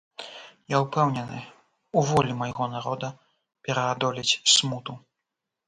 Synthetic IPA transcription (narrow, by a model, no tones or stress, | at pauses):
jaupɛwnʲɛnɨ | uvɔlʲimɐjɣɔnaɾɔd̪ɐ | pʲɛɾɐad̪ɔlʲit͡sʲsmut̪u